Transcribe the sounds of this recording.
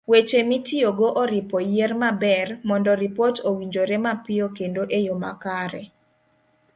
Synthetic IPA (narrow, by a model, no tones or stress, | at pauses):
wet͡ʃemitɪoɡoʔɔɾɪpɔjermabɛrmɔndɔɾipotowiɲd͡ʒoɾɛmapɪokendoʔejoma̰kaɾɛ